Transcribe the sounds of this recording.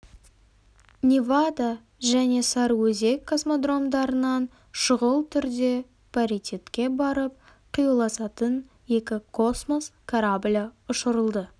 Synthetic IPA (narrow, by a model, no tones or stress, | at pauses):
nʲivad̪a | ʒæne̞sɑɾwɵze̞kʰːosmod̪ro̞md̪ɑɾənɑn | ʃʊʁəlˠt̪ʰʏɾd̪e̞ | pʰaɾit̪ʲet̪kʲe̞bɑɾəp̚ | qʰijulˠɑsɑt̪ən | je̞kʲɪkʰo̞smo̞skʰaɾablʲaʊʃəɾəlˠd̪ə